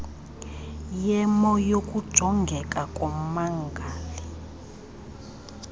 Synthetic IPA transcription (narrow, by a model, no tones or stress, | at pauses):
jɛmɔjokʼud̥ʒ̥ʱɔŋɡʱɛkʼakʼɔmaŋɡʱaːli